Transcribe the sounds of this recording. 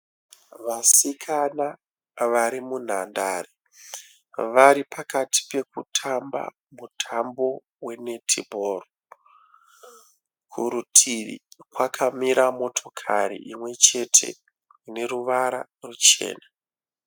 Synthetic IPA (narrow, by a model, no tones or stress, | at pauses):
ʋasikʰana | ʋaɾimun̤andare | ʋaɾipakati̥pe̞kutʰamba̰ | mutʰambo̞ | we̞ne̞tʰibʱoːro | kʰuɾutʰiḭkwakʰamiɾamo̞tʰo̞kʰaɾḭʔimwe̞t͡ʃe̞tʰe̞̰ | ine̞ɾuʋaɾa̰rut͡ʃe̞̰ːna